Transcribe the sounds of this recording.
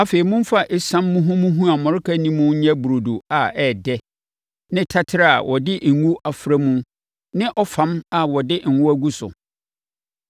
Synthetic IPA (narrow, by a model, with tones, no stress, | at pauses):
a˨fe˨i˨mʊ̃˦m˦fa˦ʔɪ˦sã˦mːʊ̃˦ɦʊ̃˦mũ˦ɦũ˦a˨mɔ̃˨ɾɪ˦kʰa˦nĩ˦mʊ̃˦ɲɛ̃˦bu˨ɾo˨du˨a˨ɛ˨dɛ˦ | nɪ̃˦tʰa˦tʰɪ˦ɾa˨a̰˨wʔɔ˨dɪ˦˨ŋu˦ʔa˨fɾa˦mũ˦ | nɪ̃˦ʔɔ˦fã˨˦ma˨wɔ˨dɪ˦ŋ̩˨wʊ̃˦æ˦ɡu˦sʊ̰˨